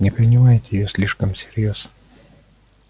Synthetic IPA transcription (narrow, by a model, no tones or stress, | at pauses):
nʲɛpʲɛnʲumɐjt̪ʲɪjoːslʲɪʃkɐmsʲɪɾjoːs